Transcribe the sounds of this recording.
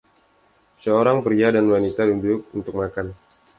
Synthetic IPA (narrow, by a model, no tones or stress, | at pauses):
səoɾaŋpɾiadanwanit̪aduɲd͡ʒʊk̚unt̪ʊk̚makan